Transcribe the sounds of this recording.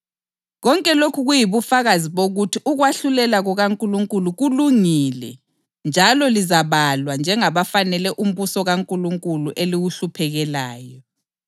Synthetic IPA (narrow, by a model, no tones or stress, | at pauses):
ɣɔŋkʼɛlokʰuɣujiβufaɣaziβoɣutʰiʔuɣwaɬulɛlaɣuɣaŋkʼuluŋkʼuluɣuluŋilɛ̰ | nd͡ʒʱalɔlizaβalwand͡ʒʱɛŋaβafanɛlɛʔum̩βusɔɣaŋkʼuluŋkʼuluʔeliɣuɬupʰɛɣɛlaːjɔ